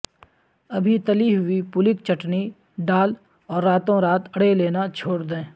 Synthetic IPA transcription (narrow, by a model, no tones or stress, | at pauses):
ɐbʱit̪ɐliɦʊipʊlɪkt͡ʃɐʈni | ɖaːl | ɔːɾːaːt̪õɾaːt̪ɐɽeleːnat͡ʃʰoːɽd̪ẽː